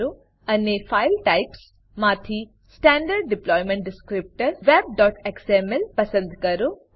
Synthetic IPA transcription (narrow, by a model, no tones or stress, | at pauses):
ɾu | ɐnːefʰajlʈajps | maːt̪ʰi | sʈaːɳɖəɾɖ̚ɖɪplɔːjmẽɳʈ̚ɖɪskɾip̚ʈəɾʋeːb̚ɖɔːʈeksemelpɐsə̃nd̪ʱkɐɾu